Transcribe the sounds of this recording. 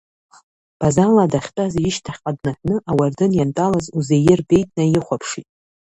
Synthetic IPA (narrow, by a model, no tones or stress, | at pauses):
χ | b̥azaladaχʲtʼazɪʃtʰaχʲqʼadnaħnɨʔawardɨnjantʼalazuzejɪrbe̞jtʼnajɪχʷapʰʂitʼ